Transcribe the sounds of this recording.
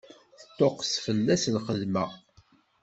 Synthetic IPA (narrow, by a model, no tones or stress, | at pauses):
θət̪ːoqsfəlːæslχəðməʁ